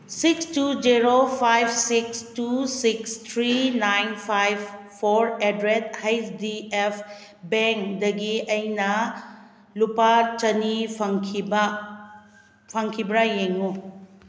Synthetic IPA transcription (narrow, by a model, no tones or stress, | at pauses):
sikstud͡ʒiɾopʰajbsikstusikst̪ʰɾinajnpʰajbpʰoɾedɾethajdiepʰ | beŋkdɐɡiɐjnɐ | lupat͡ʃɐnipʰkʰib | pʰɐŋkʰibɾajeŋu